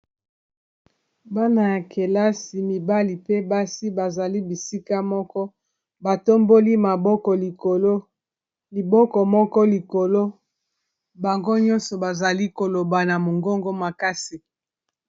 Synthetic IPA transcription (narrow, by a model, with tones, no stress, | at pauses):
ba˦na˨ja˨kʰe˨la˦si˨mi˨ba˦li˨pe˦ba˦si˦ba˨za˨li˦bi˨si˦ka˦mɔ˦kɔ˦ | ba˨to˦mbo˦li˦ma˨bɔ˦kɔ˨li˨ko˨lo˦ | li˨bɔ˦kɔ˨mɔ˦kɔ˦li˨ko˨lo˦ | ba˨ŋɡo˦ɲɔ˦nsɔ˨ba˨za˨li˦ko˨lo˨ba˨na˨mo˨ŋɡo˦ŋɡo˦ma˨ka˦si˨